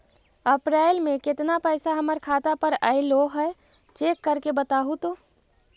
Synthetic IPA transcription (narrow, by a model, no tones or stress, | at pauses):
əpɾaːɪlmẽkɪt̪napəːsaɦəməɾkʰaːt̪apəɾəɪloɦɛ | t͡ʃeːkːəɾkebət̪aːɦut̪o